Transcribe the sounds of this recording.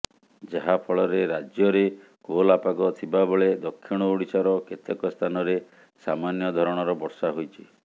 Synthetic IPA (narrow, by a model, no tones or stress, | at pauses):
d͡ʒaɦapʰɔɭɔɾeɾad͡ʒjɔɾe | kolapaɡɔt̪ʰibabɔɭed̪ɔkʰːiɽ̃ɔuɽ̃isaɾɔket̪ʰekɔst̪ʰanɔɾe | samanjɔd̪ʱɔɾɔɽ̃ɔɾɔbɔɾsaɦojt͡ʃʰi